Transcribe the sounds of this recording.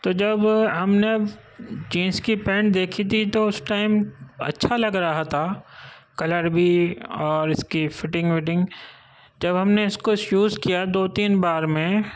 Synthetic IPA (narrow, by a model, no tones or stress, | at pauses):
t̪oːd͡ʒɐbɦɐmneɐb | d͡ʒĩːnskipɛ̃ːɳʈ̚d̪eːkʰit̪ʰit̪oʊsʈaːɪmɐ̰tːʃʰalɐɡɾaɦat̪ʰakɐləɾbʱiɔːɾɪskifɪʈɪ̃ŋɡʋɪʈ̬ɪ̃ŋɡ | d͡ʒɐbɦɐmneɪskoɪsjuːzkijad̪oːt̪iːnbaːɾmẽ